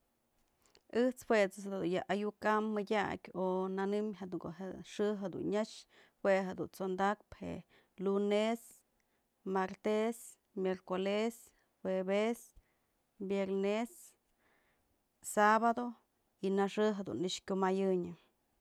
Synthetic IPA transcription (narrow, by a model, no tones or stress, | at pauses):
ɨht͡shwet͡sɨsd̪d̪unjaʔajukamːɨdʲakʲonanɨmɦed̪uŋko̰ɦeʂɨɦed̪ṵnɲaʂ | hweɦed̪unt͡sond̪ak̚phḛʔ | lunes | maɾt̪es | mʲjeɾkoles | webes | bjeɾnes | aβad̪o | inaʂɨɦed̪ṵniʂkʲomajɨɲɨ